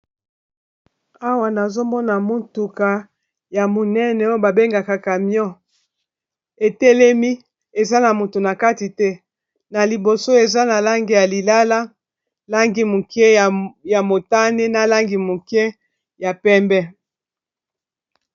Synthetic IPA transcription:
a˦wa˨na˨zo˦mɔ˦na˨mo˦ntu˨ka˨ | ja˨mo˨nɛ˦nɛ˨o˦ba˨be˦ŋɡa˨ka˨ka˨mjɔ˦ | e˨tɛ˦lɛ˦mi˦ | e˨za˦na˨mo˨to˨na˨ka˦ti˨tɛ˦ | na˨li˨bo˨so˦e˨za˦na˨la˦ŋɡi˨ja˨li˨la˦la˦ | la˦ŋɡi˨mo˨kɛ˦˨ja˨mo˨ta˦ne˦na˨la˦ŋɡi˨mo˨kɛ˦ | ja˨pɛ˦mbɛ˦

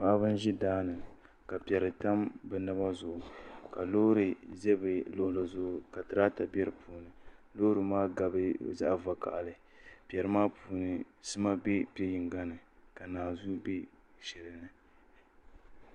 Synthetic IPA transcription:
ma˦ʔa˦bɨ˦n˦ʒi˦daː˦nɨ˨ | ka˨pɛ˨ɾɨ˨ta˦mbɛ˨na˦ba˦zʊ˨ʔʊ˨ka˨lo˦ɾɨ˨zɛ˦bɨ˨lo˨hla˨zʊ˦ʔʊ˨ka˨tɨ˨ɾa˦ta˨bɛ˦ɾɨ˨pʰuː˨nɨ˨lo˦ɾɨ˨maː˦ɡa˨bɨ˦za̰˦ʔva˨ka̰˨ʔa˨lɨ˨ | pɛ˨ɾɨ˨˦maː˦puː˨nɨ˨ | sɨ˦ma˦bɛ˦pɛ˦ji˨ŋɡa˦nɨ˨ka˨naː˨zu˦be˦ | ʃɛ˨ɾɨ˨nɨ˨

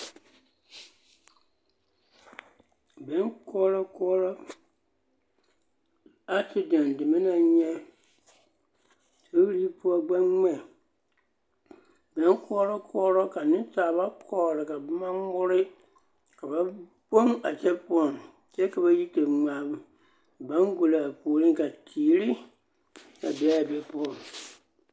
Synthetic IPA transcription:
bɛ˨˦ŋkʊ˦ɔ˦ɾɔ˦kʊ˦ɔ˦ɾɔ˦ | a˦si˨da˨ndɪ˨mi˦na˨ɲɛ˦ | to˦ɾi˦pʊ˦ɔ˦˨ɡ͡ba˦ŋŋ͡mɛ˦˨ | bɛ˨˦nkɔ˦ɾɔ˦kʊ˦ɔ˦ɾɔ˦ka˨nɪ̃˦taː˨ba˦kʰɔː˦˨ɾɪ˨ka˨ba˦ma˦mʊ˦ɾɪ˦ | ka˨ba˦ | bo˦ŋa̰˨t͡ʃɛ˦pʊ˦ɔ˨n | sɛ˦ka˨ba˦ji˦te˨ŋ͡ma˨b | ba˦ŋɡu˨la˨a˨pu˨o˨ɾi˦ŋka˨tʰiː˨ɾi˦ | ka˨bɛ˨˦a˨bɛ˨pʊ˦ɔ˨

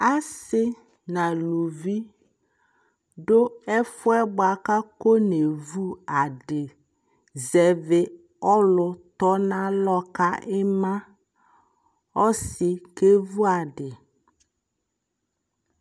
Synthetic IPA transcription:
a˦sɪ˦ | na˨lu˨vi˦ | dʊ˦ɛ˦fʊ˦ɛ˦bʊ˨a˨ka˦ko˦ne˨vu˦a˨dɪ˨ | zɛ˨vɪ˦ | ɔ˦lʊ˨tɔ˦na˦lɔ˦ka˦ʔɪ˦ma˦ | ɔ˦sɪ˨ke˦vu˦a˨dɪ˨

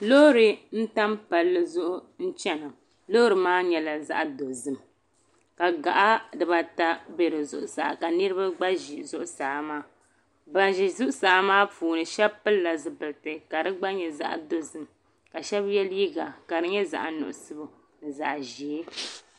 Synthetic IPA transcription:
lo˦ɾɨ˨n̩˦ta˦mpa˨lːɨ˦zʊ˦ʔʊ˦n̩˦t͡ʃɛ˦na˨ | lo˦ɾɨ˨maː˦ɲɛ˨la˨za̰˦ʔdo˨zɨ˨m | ka˨ɡa̰˨ʔa˦dɨ˨ba˨ta˦bɛ˨ɾɨ˨zʊ̰˦ʔʊ˨sa̰˨ʔka˨nɨ˦ɾɨ˦ba˦ɡ͡ba˦ʒi˨zʊ˦ʔʊ˦sa˨ʔmaː˦ | ba˨ʒi˨zʊ˦ʔʊ˦sa˨ʔmaː˦fuː˨nɨ˨ʃɛ˦bpɨ˦lːa˨zɨ˨bɨ˨ltɨ˨ka˨dɨ˦ɡ͡ba˦ɲɛ˨za̰˦ʔdo˦zɨ˨m | ka˨ʃɛ˦bjɛ˦lji˦ɡa˨ka˨ɾɨ˦ɲɛ˦za̰˨ʔa˨nʊ̰˨ʔʊ˨sɨ˦bʊ˨ | nɨ˨za̰˨ʔʒi˨˦

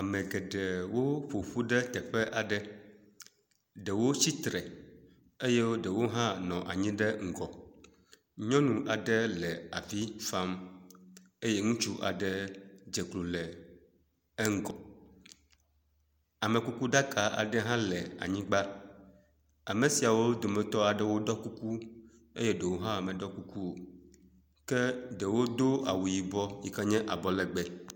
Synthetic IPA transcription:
a˨mɛ̃˨ɡɛ˨ɖɛ˨wo˦ɸo˨ɸu˦ɖɛ˦t̪ɛ˨ɸɛ˦ʔa˨ɖɛ˦ | ɖɛ˨wo˦si˦t̪ɾɛ˨ | e˦je˦wo˦ɖɛ˨wo˦ɦã˦nɔ̃˨ʔa˨ɲĩ˦ɖɛ˦ŋ̩˨ɡɔ˨ | ɲɔ̃˦nũ˨ʔa˨ɖɛ˦lɛ˨a˨vi˦fa˦m | e˦je˦ŋũ˦t͡ʃu˦ʔa̰˨ɖɛ˦d͡ʒɛ˨klu˨lɛ˨ | ɛ˦ŋ̩˦ɡɔ˨ | a˨mɛ̃˨ku˦ku˦ɖa˦kʰa˨ʔa̰˨ɖɛ˦ɦã˦lɛ˨a̰˨ɲĩ˦ɡ͡ba˦ | a˨me˨si˨a˨wo˦d̪o˨mɛ̃˨t̪ɔ˦a˨ɖɛ˦wo˦ɖɔ˦ku˦ku˦ | ḛ˦jɛ˦ɖɛ˨wo˦ɦã˦a˨mɛ̃˨ɖɔ˦ku˦ku˦o˨ | kɛ˦ɖɛ˨wo˦d̪o˦a̰˨wu˨ji˨bɔ˦ji˨kɛ˦ɲɛ̃˦ʔa̰˨bɔ˨lɛ˨ɡ͡bɛ˦

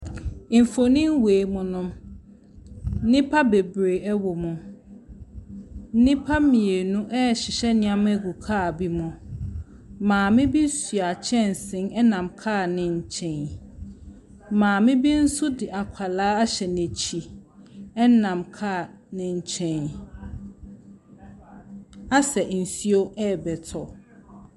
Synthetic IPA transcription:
m̩˨fo˨nĩ˦m˦weː˨mʊ̃˨nʊ̃˦m˦ | nɪ̃˦pʰa˦be˨bɾe˨ɛ˦wo˨mʊ̃˨ | n̩˦nɪ̃˦pʰa˦mĩ˨e˨nũ˦ʔɛ˦ɕɪ˨ɕɛ˦nɪ̃˦ã˦m̃˦æ˦ɡu˨kʰaː˦˨bi˦mʊ̃˨ | mãː˨mɪ̃˦bi˦sɥa˨t͡ɕʰɛ̃˦˨n˨sɪ̃˦nɛ˦nã˨mkʰaː˦˨nɪ̃˦ɲ̩˦˨t͡ɕʰɛ̃˨n | mãː˨mɪ̃˦bi˦n̩˦sʊ˦dɪ˨ʔa˨kʷʰa˨laː˨˦a˦ɕɛ˨nẽ˨t͡ɕʰi˨ | ɛ˦nã˨mkʰaː˦˨ | nɪ̃˨ɲ̩˨t͡ɕʰɛ̃˨n | a˦sɛ˨n̩˨si˦o˦ʔɛ˦˨bɛ˨tʰɔ˨

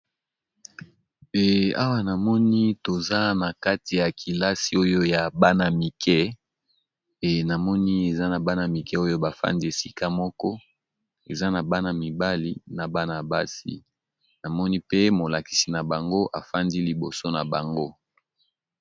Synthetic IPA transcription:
e˨a̰˦wa˦na˨mɔ˦ni˦to˨za˦na˨ka˦ti˨ja˨kʰi˨la˦si˨˦o˦jo˦ja˨ba˦na˨mi˨kʰɛ˦ | e˨na˨mɔ˦ni˦e˨za˦na˨ba˦na˨mi˨kɛ˦o˦jo˦ba˨fa̰˦ndi˦e˨si˦ka˦mɔ˦kɔ˦ | e˨za˦na˨ba˦na˨mi˨ba˦li˦na˨ba˦na˨ba˦sḭ˨ | na˨mɔ˦ni˦pe˦mo˨la˨ki̥˨si˨na˨ba˨ŋɡo˦ʔa˨fa˦ndi˦li˨bo˨so˦na˨ba˨ŋɡo˦

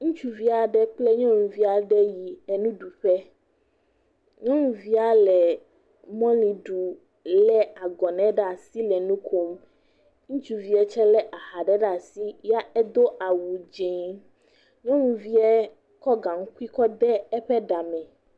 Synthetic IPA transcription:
ŋũ˦t͡ʃu˦vi˦a˨ɖɛ˦k͡plɛ˦ɲɔ̃˦ŋũ˨vi˦a˨ɖɛ˦ji˨ɛ˦˨nũ˦ɖu˨ɸɛ˦ | ɲɔ̃˦ŋũ˨vi˦a˨lɛ˨ | mɔ̃˦lĩ˨ɖu˨ | lɛ˦a˨ɡɔ˨nɛ̃˨˦ɖa˦˨si˦lɛ˨nũ˦kʰo˦m | ŋũ˦t͡ʃu˦vi˦ɛ˦t͡ʃɛ˦lɛ˦ʔa˨ha˨ɖɛ˦ɖa˨si˦ja˦ɛ˦d̪o˦ʔa˨wu˨d͡ʒẽ˨ŋ | ɲɔ̃˦ŋũ˨vi˦ɛ˦ | kɔ˦ɡã˨ŋ̩˦ku˦i˦kɔ˦d̪ɛ˦ɛ˦ɸɛ˦ɖa˨mɛ̃˨

